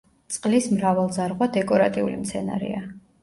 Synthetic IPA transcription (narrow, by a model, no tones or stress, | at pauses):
t̪sʼqʼlismɾavalˠzaɾʁwad̪ɛkʼɔɾat̪ʼiulimt̪sʰɛna̰ɾḭa